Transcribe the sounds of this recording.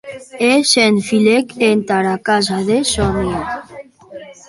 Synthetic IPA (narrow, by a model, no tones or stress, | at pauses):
esenfilekent̪aɾakazaðesɔnia